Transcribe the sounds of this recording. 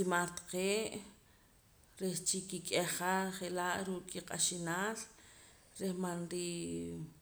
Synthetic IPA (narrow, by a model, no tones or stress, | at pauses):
imaɾt̪ḁqeːʔ | ɾeht͡ʃikikʼeχaχelaʔɾuːʔkʼːiqʼa̰ʃinaːl | ɾehmanɾi